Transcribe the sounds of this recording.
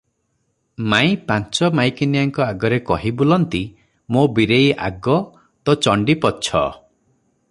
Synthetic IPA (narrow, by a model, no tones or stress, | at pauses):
mãj̃pãnt͡ʃɔmajkinijaŋkɔaɡɔɾekɔɦibolɔnt̪i | mobiɾejʔa̰ɡɔ | t̪ɔt͡ʃɔɳɖipɔt͡ʃʰɔ̰